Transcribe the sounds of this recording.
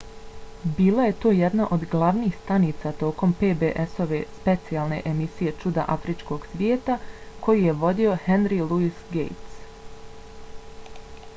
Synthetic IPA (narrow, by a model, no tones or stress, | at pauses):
biːlˠaje̞t̪o̞ːjɛd̪naʔo̞d̪ɡlˠaʋniːxst̪aniːt̪sat̪o̞ːko̞mpeːbeʔeso̞ʋe̞spe̞t̪siaːlne̞̰ʔemisije̞t͡ʃud̪a̰ʔafɾit͡ʃko̞ɡsʋjeːt̪ako̞jije̞ʋo̞d̪io̞henɾiluisɡḛjt̪s